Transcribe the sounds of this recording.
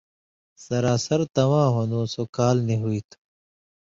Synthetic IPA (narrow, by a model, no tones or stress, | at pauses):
sɐɾaːsɐɾt̪ɐwãːɦonõːsokaːlneɦuiːt̪ʰu̥